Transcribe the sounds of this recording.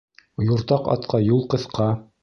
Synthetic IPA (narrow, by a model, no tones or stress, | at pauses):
juɾt̪ɑqɑ̰t̪̚qʰɑjulˠqɤ̆θqɑ